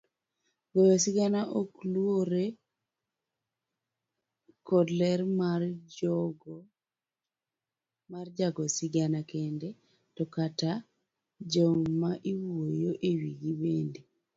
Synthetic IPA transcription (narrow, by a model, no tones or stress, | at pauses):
ɡojɔsiɡanaʔoklwoɾe | kɔdlɛɾmarɔɡ | mard͡ʒaɡɔsiɡanakɛndɛ | tɔkata | d͡ʒɔmaʔiwojoʔewiɡibendi